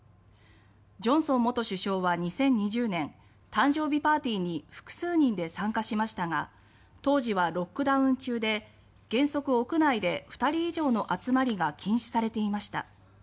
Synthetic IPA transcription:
d͡ʑõ̞ɰ̃sõ̞mːo̞t̪o̞ɕɨɕo̞ːβaɲ̟isẽ̞ɲ̟ːiʑɨːnẽ̞n | t̪ãɲd͡ʑo̞ːbʲipaːt̪ʲiːɲ̟iɸɯ̥kɯ̟̥sɨːɲ̟ĩnd̪e̞sãŋkaɕimaɕi̥t̪aɡa | t̪o̞ːʑiβ̞aɾo̞kːɯ̟d̪aɯ̟̃ɲt͡ɕɨːd̪e̞ | ɡ̥ẽ̞ɰ̃so̞kɯ̟o̞kɯ̟naid̪e̞ɸɯ̟̥t̪aɾʲiːʑo̞ːno̞ʔat͡sɨmaɾʲiɡakʲʰĩɰ̃ɕi̥saɾe̞t̪e̞imaɕi̥t̪a̰

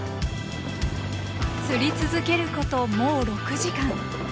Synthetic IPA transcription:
sɨɾʲit͡sɨzɨke̞ɾɯ̟ko̞t̪o̞moːɾo̞kɯ̟ʑikãŋ

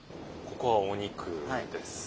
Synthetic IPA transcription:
ko̞ko̞βaoɲ̟ikʰɯad̪esɨ̥

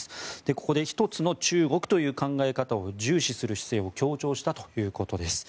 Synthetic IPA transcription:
sɨ̥d̪̥e̞ko̞ko̞d̪e̞çi̥t̪o̞t͡sɨno̞t͡ɕɨːɡo̞kɯ̥t̪o̞jɯ̟ːkãŋɡae̞kat̪ao̞ʑɨːɕisɨɾɯ̟ɕi̥se̞ːo̞kʲo̞ːt͡ɕo̞ːɕi̥t̪at̪o̞̥jɯ̟ːko̞t̪o̞d̪e̞sɨ̥

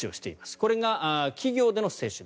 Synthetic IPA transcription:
io̞ɕi̥t̪e̞̰imasɨ̥ko̞ɾe̞ɡaʔkʲiɡʲo̞ːd̪e̞no̞se̞ːɕɨd̪

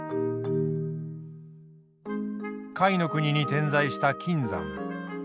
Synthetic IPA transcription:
kaino̞kɯ̟ɲ̟iɲ̟it̪ẽ̞ñzaiɕi̥t̪akʲʰĩnd͡zã̰ŋ

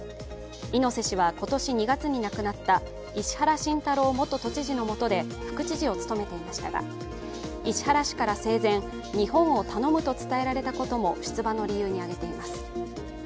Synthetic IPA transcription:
ino̞se̞ɕiβ̞ako̞t̪o̞ɕiɲ̟iɡat͡sɨɲ̟inakɯ̟nat̪ːa | iɕi̥haɾaɕĩnt̪aɾo̞ːmo̞t̪ːo̞t̪o̞t͡ɕiʑino̞mo̞t̪o̞d̪e̞ɸɯ̟̥kɯ̟t͡ɕiʑio̞t͡sɨ̥t̪o̞me̞t̪e̞imaɕi̥t̪aɡa̰ | iɕi̥haɾaɕi̥kaɾase̞ːzẽ̞ɰ̃ | ɲ̟ihõ̞ɰ̃o̞t̪ano̞mɯ̟t̪o̞t͡sɨ̥t̪ae̞ɾaɾe̞t̪ako̞t̪o̞mo̞ɕi̥t͡sɨbano̞ɾʲijɯ̟ːɲ̟iaɡe̞t̪e̞imasɨ̥

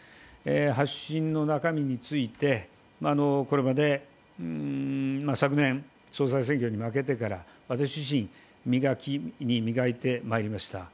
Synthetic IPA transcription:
eɦaɕĩnnːo̞nakamʲiɲ̟it͡sɨit̪e̞ | maːno̞ko̞ɾe̞mad̪e̞ | masakɯ̟nẽ̞ɴ | so̞ːs̬ais̬ẽ̞ŋkʲo̞ɲ̟imake̞t̪e̞kaɾaβat̪aɕ̬iʑiɕ̬ĩŋ | mʲiɡakʲiɲ̟imʲiɡait̪e̞maeɾʲimaɕi̥t̪a̰

